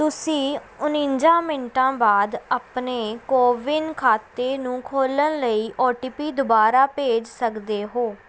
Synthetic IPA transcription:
t̪ʊsĩː | ʊnĩnd͡ʒãːmɪnʈãːbaːd̪apneːkoːʋɪnkʰaːt̪ːeːnũːkʰoːlənləiːʔɔːʈiːpiːd̪ʊbaːɾaːpeːd͡ʒsəkd̪eːɦoː

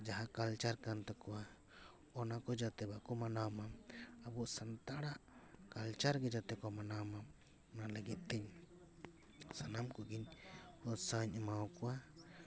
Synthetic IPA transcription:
d͡ʒaɦakalt͡ʃaɾkant̪akɔwa | ɔnakɔd͡ʒat̪ɛbakɔmanawmaabuʔsant̪aɽaʔkalt͡ʃaɾɡɛd͡ʒat̪ɛkɔmanawma | nalɛɡit̪̚t̪ɛɲ | sanamkuɡiɲhɔsaɲɛmawɔkɔwa

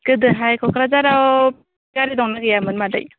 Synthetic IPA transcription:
kɯd̪ɯɦajkʰɔkɾazaɾa | kaɾid̪ɔŋnaɡɯjamɯnmada̰j

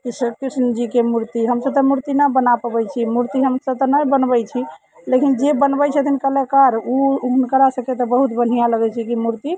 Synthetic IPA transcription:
kisəkisnəd͡ʒikemuɾt̪iɦəmsəb̚t̪ɔmuɾt̪inəbənapəbɛjt͡ʃʰimuɾt̪iɦəmsəb̚t̪ɔnəjbənbɛjt͡ʃʰi | lekind͡ʒebənbɛjt͡ʃʰət̪ʰinkəlekaɾuunkəɾasəket̪ɔbəɦut̪bən̤ijãləɡɛt͡ʃʰikimuɾt̪i

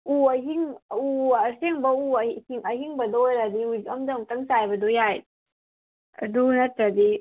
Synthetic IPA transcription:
uaɦiŋuaseŋbauhiŋahiŋbɐdojɾadiudikɐmdaŋtaŋsajbɐdɔjaj | a̰dunatɾadi

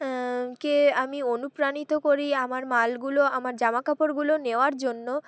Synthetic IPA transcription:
keamionupɾanit̪okoɾiamaɾmalɡuloamaɾd͡ʑamakapoɾɡuloneoaɾd͡ʑonːo

